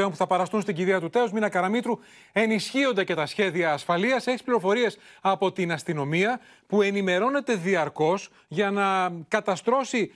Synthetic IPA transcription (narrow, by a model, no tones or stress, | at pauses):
eonpuθɐpɐɾɐst̪unst̪iɟiðiɐt̪ut̪e̞ozminɐkɐɾɐmit̪ɾu | e̞nisçio̞nd̪ece̞t̪ɐsçe̞ðiɐːsfɐliɐseçispliɾo̞fo̞ɾie̞sɐpo̞t̪inɐst̪ino̞miɐ | pue̞nime̞ɾo̞ne̞t̪e̞ðiɐɾko̞s | ʝɐnɐkɐt̪ɐst̪ɾo̞si